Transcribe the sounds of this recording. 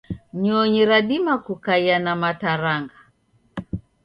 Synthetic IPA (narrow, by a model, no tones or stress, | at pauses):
ɲɔɲiɾaɗimakukajanamataɾaŋɡa